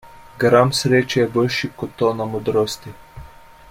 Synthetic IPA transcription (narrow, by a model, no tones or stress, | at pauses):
ɡɾamsɾeːt͡ʃɛjɛboːlʃikot̪ːonamod̪ɾoːst̪i